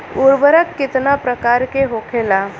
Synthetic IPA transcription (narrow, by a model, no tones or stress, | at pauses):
uɾbəɾəkːit̪napɾəkaɾkeɦokʰela